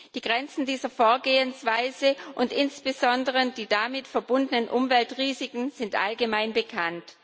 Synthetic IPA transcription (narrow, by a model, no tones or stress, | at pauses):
d̥iːɡʁɛnt͡sn̩diːzɐfoːɐɡeːənsv̥aɪzəʔʊntʔɪnsb̥əzɔndəʁədiːdamɪtfɛɐbʊndənənʔʊmvɛltʁiːzɪkŋ̩z̥ɪntʔa̰lɡəmaɪnbəkʰant